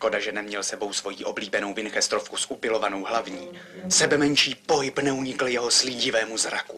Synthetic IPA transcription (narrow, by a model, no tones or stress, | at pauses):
ko̞daʒɛnɛmɲɛlsɛbo̞wsvo̞jiːʔo̞bliːbɛnowvɪnxɛst̪ɾofkusʔupɪlo̞vano̞wɦlavɲiːsɛbɛmɛɲt͡ʃiːpo̞ɦɪpnɛuɲɪkl̩jɛɦoslɪɟɪvɛːmuzɾaku